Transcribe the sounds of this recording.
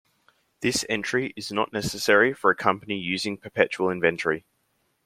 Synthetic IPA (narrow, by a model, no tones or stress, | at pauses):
ðɪsɛ̰̃nt͡ʃɹ̥iʔɪznə̰ʔnɛsəsɛɹifəɹəkʰʌ̃mpənijʉːzɪ̃ŋpʰəpʰɛt͡ʃuəlˠɪ̃ɱvɛ̃ntʰəɹi